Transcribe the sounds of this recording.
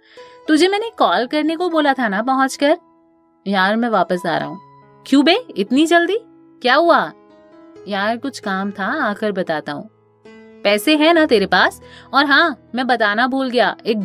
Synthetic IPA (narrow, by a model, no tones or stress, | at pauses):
t̪ʊd͡ʒʱemɛːnekɔːlkɐɾnekoboːlat̪ʰanap̬ɐɦʊ̃t͡ʃkɐɾ | jaːɾmɛ̃ʋaːpəsa̰ːɾɐ̰ɦũː | kjũːbeːɪt̪nid͡ʒɐld̪iː | kjaːɦua | jaaːɾkʊt͡ʃʰkaːmt̪ʰaaːkəɾbɐt̪aːt̪aɦṵ̃ː | pɛːseɦɛ̃nat̪eːɾepaːsɔːɾɦãːmɛ̃bɐt̪aːnabʱuːlɡɐjaeːk̚